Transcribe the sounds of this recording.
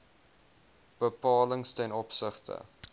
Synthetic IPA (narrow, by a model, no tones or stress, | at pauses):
b̥əpɑːləŋstɛnɔpsəχtə̰